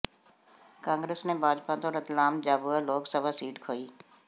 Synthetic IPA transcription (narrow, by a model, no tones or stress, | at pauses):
kãːŋɡɾeːsneːbʱaːd͡ʒpãːt̪õːɾət̪laːmd͡ʒaːbualoːksəbaːsiːʈkʰoːiː